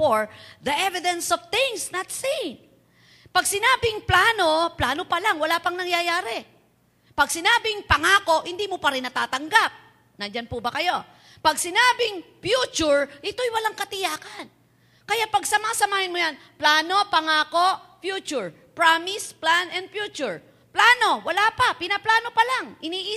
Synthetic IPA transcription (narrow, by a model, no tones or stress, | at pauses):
foɹðɐʔɛvɪd̪ɛnsoft̪ɪŋsnɐt̪sin | pɐɡsɪnaːbɪŋplaːno̞plaːno̞pɐlaŋwɐlaːpɐŋnɐŋjajaːɾɛ | pɐɡsɪnaːbɪŋpɐŋaːko̞ʔhɪnd̪iːmopɐɾɪnːɐt̪aːt̪ɐŋɡap̚ | nɐd͡ʒanpubɐkɐjo̞ | pɐɡsɪnaːbɪŋfjuːt͡ʃʊɹɪt̪o̞jwɐlaŋkɐt̪ɪjaːkan | kɐjapɐɡ̚sɐmasɐmaːhɪnmojan | plaːno̞pɐŋaːko̞ʔfjuːt͡ʃʊɹ | pɹamɪsplanɛnd̪̚fjuːt͡ʃʊɹ | plaːno̞wɐlapapɪnɐplaːno̞pɐlaŋʔɪniːʔɪ